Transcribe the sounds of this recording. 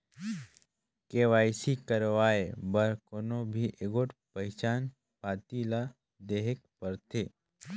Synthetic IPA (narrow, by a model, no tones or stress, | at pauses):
keːʋaːjsikəɾʋaːebəɾkonobʱiʔeɡoːʈpɐɦɪt͡ʃaːn | paːt̪ila | d̪eɦɪk̚pəɾt̪ʰeː